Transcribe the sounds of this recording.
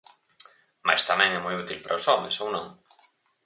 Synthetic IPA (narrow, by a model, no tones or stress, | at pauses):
ma̰jst̪amɛ̃ŋɛmujut̪ilpaɾʔaosɔmḛsownõŋ